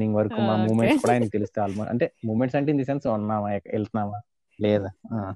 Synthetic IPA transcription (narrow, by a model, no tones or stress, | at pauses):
niŋɡʋɐɾɐkumaːmuːmeɳʈʈskuːɽaːjnɐkit̪elust̪eaːlmoɐ̰ɳʈe̞ːmuːmeɳʈsɐɳʈeːind̪isensunːaːmaːɛkːɛlt̪ɐnaːmaː | lɛːd̪aːa